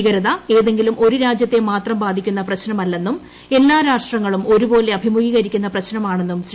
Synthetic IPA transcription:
ɣɐɾɐðɐe̞ːðe̞ŋɡilumo̞ɾuɾaːd͡ʑjɐt̪ːe̞maːt̪rɐmbaːd̪ʱikʲːun̪ːɐprɐɕnɐmɐlːe̞nːum | e̞lːaːɾaːʂʈrɐŋːɐɭumo̞ɾubo̞ːle̞ɐbʱimuɣiːɣɐɾikʲːunːɐprɐɕnɐmaːɳe̞nːumɕ

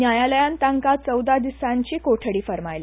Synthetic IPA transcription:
njajaləjãnt̪ãŋkat͡səwd̪ad̪isaɲt͡ɕiːkoʈʰəɽiːfəɾmajli

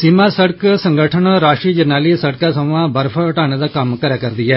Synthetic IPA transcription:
simasɐɽksɐ̃ŋɡʱəʈʰəɳɾaːʃʈɾiːd͡ʒɐnaːlisɐɽkasɐmʋãbɐɾfʰəʈaːned̪akɐmkɐɾjakɐɾd̪iɦɛː

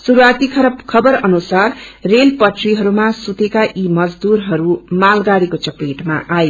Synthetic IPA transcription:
suɾuat̪ikʰʌɾʌbkʰʌbʌɾʌnusarrelpʌʈʰriɦʌɾumasut̪ekaʔimʌd͡zd̪uɾɦʌɾumalɡaɽikot͡sʌpeʈmaʔaj

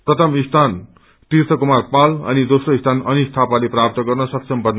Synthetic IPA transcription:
prʌt̪ʰʌmist̪ʰan | t̪irt̪ʰʌkumarpalʌ̰nid̪osroist̪ʰanʌnist̪ʰapaleprap̚t̪ʌɡʌrnʌsʌksʰʌmpʌn

